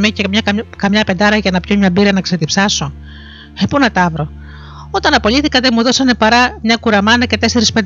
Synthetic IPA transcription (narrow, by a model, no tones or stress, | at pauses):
micemɲɐɐkɐmɲɐpe̞nd̪ɐɾɐʝɐnɐpçomɲɐbiɾɐnɐkset̪ipsɐso̞ | epunɐt̪ɐvɾo̞ | o̞t̪ɐnɐpo̞liθikɐt̪emuðo̞sɐne̞pɐɾɐmɲɐkuɾɐmɐnɐce̞t̪e̞se̞ɾispe̞nd̪